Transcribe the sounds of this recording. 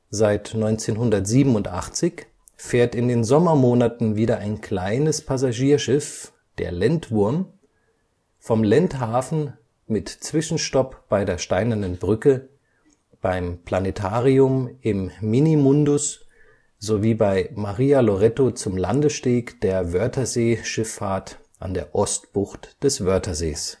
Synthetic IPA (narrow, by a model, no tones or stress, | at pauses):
zaɪtnɔʏnt͡seːnɦʊndɐtz̥iːbm̩ʊntʔa̰χt͡sɪç | feːɐtɪndeːnzɔmɐmoːnatn̩viːdɐʔaɪnkʰl̥aɪnəspʰazaʒiːɐʃɪf | d̥ḛːɐlɛntv̥ʊɐm | fɔmlɛnthaːfn̩ | mɪtt͡sv̥ɪʃn̩ʃtɔpb̥aɪdeːɐʃtaɪnɐnənbʁʏkə | b̥aɪmpl̥anetʰaːʁiʊmɪmːinimʊndʊs | z̥oviːbaɪmaʁiːaloʁɛtot͡sʊmlandəsʃteːkd̥eːɐvœɐtʰɐzeːʃɪfaɐt | ʔa̰ndḛːɐʔɔstb̥ʊxtd̥ɛsv̥œɐtʰɐzḛːs